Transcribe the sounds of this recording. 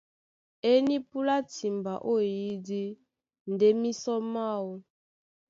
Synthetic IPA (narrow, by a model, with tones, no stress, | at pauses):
e˦ni˦pu˦la˦tʰi˨mba˨ʔo˦˨ji˦di˦ | n˨de˦mi˦sɔ˦ma˦˨wo˨